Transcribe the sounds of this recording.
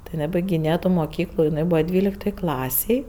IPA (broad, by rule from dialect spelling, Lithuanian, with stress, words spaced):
tɐɪ jɪˈnɐɪ bɐɪɡʲɪˈnʲeːjɛ ˈtuː moːˈkʲiːklˠʊ jɪˈnɐɪ ˈbuːʋɐ ˈdʲʋʲiːlʲɪktoːj ˈklˠɑːsʲeːj